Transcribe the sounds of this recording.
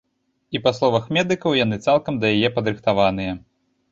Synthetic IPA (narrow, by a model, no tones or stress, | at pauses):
ipaslˠɔvɐxmʲɛd̪ɨkɐwjan̪ɨt̪salˠkɐmd̪ɐjajɛpɐd̪ɾɨxt̪avanɨjɐ